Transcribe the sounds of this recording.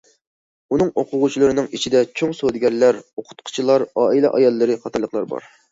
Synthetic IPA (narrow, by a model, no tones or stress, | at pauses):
unɨŋoqʰʊʁut͡ʃʰilˠɨɾɨnɨŋit͡ʃʰid̪ɛt͡ʃʰoŋsod̪ɡʲɛɾlæɾoqʰʊ̥t̪̚qʰʊ̥t͡ʃʰilˠɑɾɑːilɛ̰ʔɑjɑlˠːɨɾɨχɑt̪ʰɑlˠəχlˠɑɾbɑ̰ɾ